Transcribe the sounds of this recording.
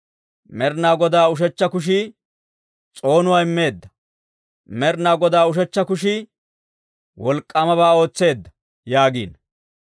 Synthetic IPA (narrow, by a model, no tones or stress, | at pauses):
mɛɾnaːɡɔd̪aːʊʃ̬ɛt͡ʃːɐkʊʃ̬i | t͡sʼo̞ːnʊwaːɪmːe̞ːd̪ːɐ̥ | mɛɾnaːɡɔd̪aːʊʃ̬ɛt͡ʃːɐkʊʃɪ | wɔlkʼːɐmɐβaːo̞ːt͡sːe̞ːd̪ːɐ̥ | jaːɡiːn